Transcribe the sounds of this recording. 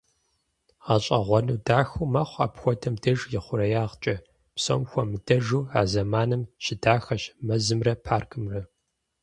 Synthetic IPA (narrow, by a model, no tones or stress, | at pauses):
ʁɐɕʼɐ̰ʁʷɔnuːdaːxumaːχʷa̰ːpxʷɔdʰɐmdɐʒjɪχʷʊɾɐjaːʁt͡ʃʼɐ | pso̰mxʷɔmɨdɐʒuːaːzɐmaːnɨmʃɪdaːxɐʃmɐzɨmrɐpʰaːrkʰʼɨmrɐ